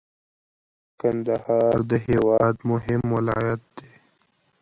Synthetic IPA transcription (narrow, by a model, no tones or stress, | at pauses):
kɐ̃nd̪əhaːɾd̪əɦeːwaːd̪mʊɦɪmwɐla̰ːjət̪̚d̪eː